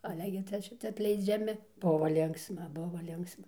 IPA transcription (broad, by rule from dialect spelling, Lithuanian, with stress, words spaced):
ɐˈlʲɛ ɡʲɪ ˈt͡sʲɛ ˈʃʲɪt͡sʲɛ ɐtʲlʲɛɪd͡ʒʲɛˈmʲɪ ˈbʊʋoː ˈlʲɪŋksmɐ ˈbʊʋɐ ˈlʲɪŋksmɐ